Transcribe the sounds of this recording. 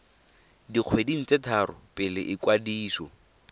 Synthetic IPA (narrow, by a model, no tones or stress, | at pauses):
diq͡χʰwedin̩t͡setʰaɾʊpʼɪlɪʔɪkwadiːsɔ̰